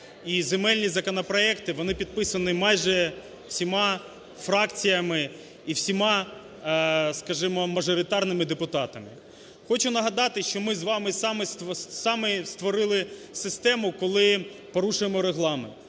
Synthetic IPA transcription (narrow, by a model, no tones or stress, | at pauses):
izemɛlʲnʲizɐkɔnɔpɾɔɛkt̪ɪʋɔnɪpʲid̪̚pɪsɐnɪmɑjʒɛ | wsʲimɑ | fɾɑkt͡sʲijɐmɪ | iwsʲimɑ | skɐʒɪmɔmɐʒɔɾʲɪt̪ɑrnɪmɪd̪epʊt̪ɑt̪ɐmɪ | xɔt͡ʃʊnɐɦɐd̪ɑt̪ɪʃt͡ʃɔmɪzʋɑmɪsɑmɪssɑmɪst̪ʋɔɾɪlˠɪsɪst̪ɛmʊkɔlˠɪpɔɾuʃʊjemɔɾeɦlˠɑmḛnt̪